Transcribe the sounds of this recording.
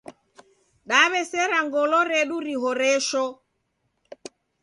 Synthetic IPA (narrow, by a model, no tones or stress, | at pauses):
ɗaβɛsɛɾaŋɡɔlɔɾɛɗuɾiɦɔɾɛʃɔ